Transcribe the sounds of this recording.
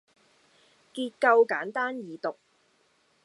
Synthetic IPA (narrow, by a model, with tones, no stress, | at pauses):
kiː˧t̚kɐ˧wkaː˨˥nt̪aː˥njiː˨˧t̪ʊ˨k̚